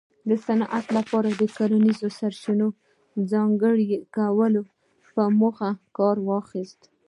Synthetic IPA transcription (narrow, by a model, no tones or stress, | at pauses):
d̪əsanʔat̪lapɑɾad̪əkoɾanizosaɾt͡ʃino | d͡zɑŋɡəɽikawəlo | pəmʊxakɑɾwɑxist̪